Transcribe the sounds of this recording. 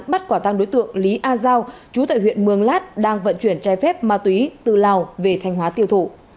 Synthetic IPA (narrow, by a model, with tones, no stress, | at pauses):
ɓa˦˥t̚kwaː˧˩t̪a˧ŋɗo˨˦jt̪ɨ̰˧˨əŋli˨˦ʔaː˧zaː˧wt͡ɕu˨˦t̪a̰ː˧˨jɦwḭ˧˨ənmɨ˨˩əŋlaː˦˥t̚ɗaː˧ŋvə̰˧˨nt͡ɕwi˧˩ənt͡ɕaː˨˧˩jfɛ˦˥p̚maː˧t̪wi˨˦t̪ɨ˧˨˩laː˨˩wve˨˩t̪ʰa˧jŋhwaː˨˦t̪i˧əwt̪ʰo˧˩